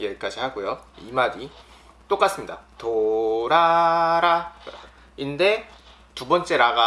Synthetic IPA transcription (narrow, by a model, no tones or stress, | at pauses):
ek͈ad͡ʑʰiɦaɡujoimadi | t͈ok͈as͈ɯmɲidatoɾaɾa | inde̞ | tubʌnt͡ɕ͈e̞ɾaɡa